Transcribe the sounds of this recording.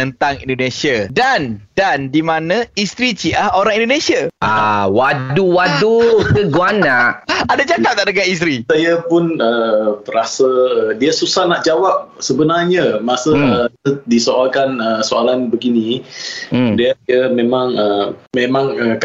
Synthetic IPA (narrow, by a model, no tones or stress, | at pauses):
ənt̪aŋḭndonẽsiadandandimãnãist̪ɾit͡ʃiʔahoɾaŋĩndonẽsiaʔawaduwadukəɡuanaʔadad͡ʒakap̚t̪aʔdəɡais̬t̪ɾisajapʊnəpəɾasədiasusahnaʔd͡ʒawap̚səbənarɲamasə | disoalkanəsoalanbəɡinĩ | diəəmẽmãŋəmẽmãŋək